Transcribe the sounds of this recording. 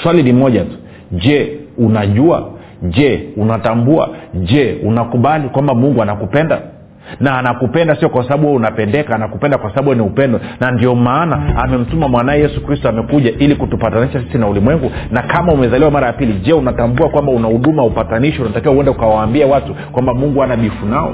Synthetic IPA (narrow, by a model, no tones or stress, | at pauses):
swalinimɔʄatu̥ | ʄɛunaʄua̰ | ʄɛunatambua̰ʄɛunakuɓalikwambamuŋɡuanakupɛnda̰ | naːnakupɛndasiɔkwasaɓaɓuwɛunapɛndɛkaːnakupɛndakwasaɓaɓuwɛniupɛndɔnandiɔmaːnaamɛm̩tumamwanaɛjɛsukɾistɔamɛkuʄaʔilikutupataniʃasi̥sinaulimwɛŋɡunakamaumɛzaliwamaɾajapiliʄɛunatambuakwambaunahuɗumaupataniʃɔunatakiwauwɛndɛukawaːmbiawatukwambamuŋɡuanaɓifunaɔ̰